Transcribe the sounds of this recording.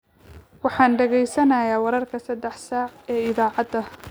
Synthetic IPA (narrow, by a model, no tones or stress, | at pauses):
wɑħɑːnɖɛɣɛjsɐnɐːjaːwɐɾɐrkʰɐsɐd̪ɛħsaːʕɛːɪðaːʕɑd̪ɐ